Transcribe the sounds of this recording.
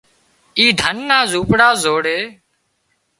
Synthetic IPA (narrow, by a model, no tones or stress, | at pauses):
iːd̪ʱənːaːzuːpɽaːzoːɽeː